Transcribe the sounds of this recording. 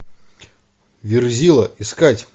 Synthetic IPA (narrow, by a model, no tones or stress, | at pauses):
vʲɪrzʲilˠəɪskatʲ